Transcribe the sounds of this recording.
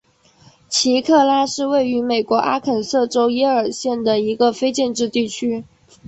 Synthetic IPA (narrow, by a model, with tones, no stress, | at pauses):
t͡ɕʰi˧˥kʰɤ˥˩la˥ʂɻ̩˥˧we˥˩ɪy˧˥me˨˩ɪkwɔ˧˥ʔa˥kʰə˨˩nsɤ˥˩ʈ͡ʂo˥ʊjɛ˥ə˞˨˩ɕjɛ˥˩nd̪ə˩i˧˥ɡə˧fe˥ɪt͡ɕjɛ˥˧nʈ͡ʂɻ̩˥˧t̪i˥˩t͡ɕʰy˥